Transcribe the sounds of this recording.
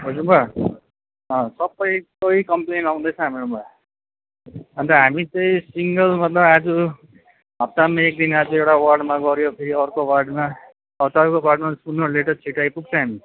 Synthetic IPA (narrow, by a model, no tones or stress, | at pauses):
ɦʌd͡zumba | ʌ̃sʌbʌjtʌikʌmplenaw̃d̪ʌt͡sʰʌ̃ɦamiɽumba | ʌnt̪ʌɦamit͡sʌĩsiŋɡʌlmʌt̪lʌbad͡zu | ɦʌp̚t̪amaek̚d̪inad͡zuewɽawʌrɖmaɡʌɾjopʰeɾiʌɾkowarɖma | ʌt̪aɾukobaɖmaspunːʌleʈʌt͡sʰiʈajpuk̚t͡sʰʌ̃ɦami